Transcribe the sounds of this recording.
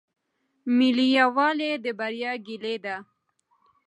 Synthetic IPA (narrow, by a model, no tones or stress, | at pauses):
milijawɑled̪əbaɾjɑɡiled̪a